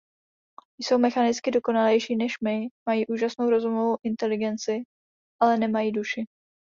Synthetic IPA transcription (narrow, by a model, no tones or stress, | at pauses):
jso̞wmɛxanɪt͡skɪdo̞ko̞nalɛjʃiːnɛʃmɪmajiːʔuːʒasnowɾo̞zumovowʔɪnt̪ɛlɪɡɛnt͡sɪ | ʔalɛnɛmajiːduʃɪ